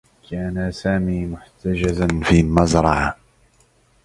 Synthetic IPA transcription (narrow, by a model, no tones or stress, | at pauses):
kaːnasaːmiːmʊħt̪ad͡ʒazanfiːmazɾˤɑʕa